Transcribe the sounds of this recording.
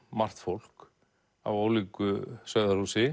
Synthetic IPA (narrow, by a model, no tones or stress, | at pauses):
mar̥t̪fowl̥k | a̰voːwliːkʏsœðaɾ̥uːsɪ